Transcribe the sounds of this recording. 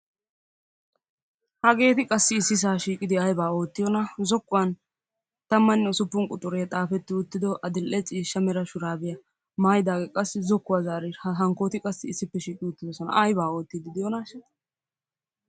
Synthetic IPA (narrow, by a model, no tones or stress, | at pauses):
hɐɡe̞ːt̪ɪkʼɐsːɪːsːɪs̬aːʃiːkʼɪd̪ɪɐjbaːo̞ːt̪ːɪjɔnɐzɔkːʊwɐn | t̪ɐmːɐnɔsʊpːʊŋkʼʊt̪ʼʊɾet̪ʼaːfɛt̪ːɪʊt̪ːɪd̪ɔʔɐd̪ɪlʔɛt͡ʃʼiːʃːɐmɛɾɐʃʊɾaːbɪjɐ | maːjd̪aːɡɛkʼɐsːɪzɔkːʊwɐzaːɾɪhɐɦɐŋko̞ːt̪ɪkʼɐsːɪːsːɪpːɛʃiːkʼɪʊt̪ːɪd̪ɔsɔnɐ̰ʔɐjbaːo̞ːt̪ːɪd̪ɪd̪ɪjɔnɐʃ